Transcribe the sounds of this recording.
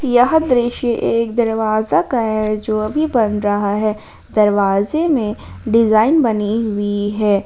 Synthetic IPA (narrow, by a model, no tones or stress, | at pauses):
jɐɦəd̪ɾɪːʃeʔeːkd̪ɐɾʋaːzakaɦɛd͡ʒoːɐbʱibɐnɾɐɦaɦɛː | d̪ɐɾʋaːzemẽɖɪzaːɪnbɐniɦʊiɦɛː